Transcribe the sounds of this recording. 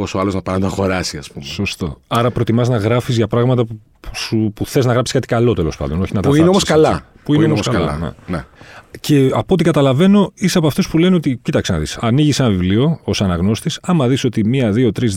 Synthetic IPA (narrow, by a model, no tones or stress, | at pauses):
osoɐlo̞znɐpɐnɐt̪oxo̞ɾɐsiɐspumso̞st̪o̞̰ɐɾɐpɾo̞t̪imɐznɐɣɾɐfizʝɐpɾɐɣmɐt̪ɐ | usupuθe̞znɐɣɾɐpsi̥kɐt̪i̥kɐlo̞t̪e̞lo̞spɐ̰nd̪o̞no̞çinɐt̪ɐineomoskɐlɐ | puineooskɐɐ̰nḛnḛce̞ɐpo̞t̪̬ikɐt̪ɐlɐve̞no̞iseɐpoɐft̪ospule̞neo̞t̪icit̪ɐksenɐ̰ðḭsɐniʝise̞nɐvivlio̞osɐnɐɣno̞st̪isɐmɐðiso̞t̪imiɐðio̞t̪ɾiz